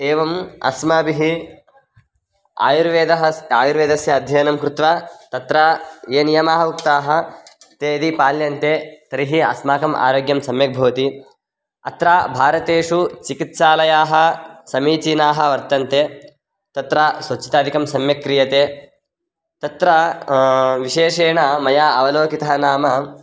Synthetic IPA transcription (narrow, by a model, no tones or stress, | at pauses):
eːʋɐmɐ̰smaːbiɦi | a̰ːjuɾʋeːd̪ɐɦɐaːjuɾʋeːd̪ɐsjɐːd̪ʱjɐjɐnɐmkɾut̪ʋaːt̪ɐt̪ɾaːeːnijɐmaːɦɐuk̚t̪aːɦɐ̆ | t̪eːd̪ipaːljɐnt̪eːt̪ɐɾiɦiɐ̰smaːkɐmʔa̰ːɾoːɡjɐmsɐmjɐk̚bʱɐːʋɐt̪i | ɐ̰t̪ɾaːbʱaːɾɐt̪eːʂut͡ʃikit̪saːlɐjaːɦɐ̆sɐmiːt͡ʃiːnaːɦɐ̆ʋɐɾt̪ɐnt̪eː | t̪ɐt̪ɾaːsʋɐt͡ʃːi̥t̪aːd̪ʱikɐmsɐmjɐkɾijɐt̪eː | t̪ɐt̪ɾɐ | ʋiʃeːʂeːɳɐmɐjaːɐʋɐloːkit̪ɐɦɐnaːmɐ